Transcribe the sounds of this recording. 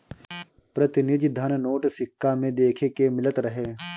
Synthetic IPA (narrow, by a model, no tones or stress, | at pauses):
pɾɐt̪ɪnɪd͡ʒ̪d̪ʱənnoːʈsɪkːamẽd̪eːkʰekemɪlət̪ɾɐɦeː